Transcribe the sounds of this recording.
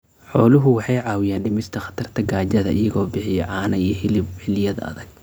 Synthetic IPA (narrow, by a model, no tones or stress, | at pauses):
ħɔːlʊɦʊwɑħɑjʕɑːwɪjaːnɖɪmɪst̪ʰɐχɑ̥t̪ʰɐrt̪ʰɐɡaːt͡ʃɐðɐʔɪjɐɣɔːbɪħɪjɛʕɑːnɐijħɪlɪħɪlɪjɐðɐɐ̰ðɐɡ̥̚